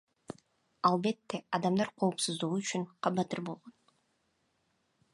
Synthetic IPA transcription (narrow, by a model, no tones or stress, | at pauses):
ɑlˠbe̞t̪ːeɑd̪ɑmd̪ɑɾqʰo̞ːpsuzd̪uʁuːt͡ʃynqʰɑbɑt̪ːɯɾbo̞lˠʁon